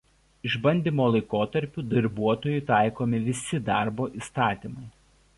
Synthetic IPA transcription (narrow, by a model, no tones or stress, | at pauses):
ɪʒbɐnʲd̪ʲimoːlˠɐɪkoːt̪ɐɾʲpʲʊːd̪ɐɾʲbuɔt̪oːjʊɪt̪ɑˑɪkoːmʲɪʋʲɪsʲɪd̪ɑˑɾboːʔiːˑst̪ɑːt̪ʲiːˑmɐɪ